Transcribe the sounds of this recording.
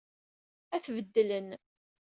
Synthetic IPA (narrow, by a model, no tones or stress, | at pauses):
æθvəd̪ːələn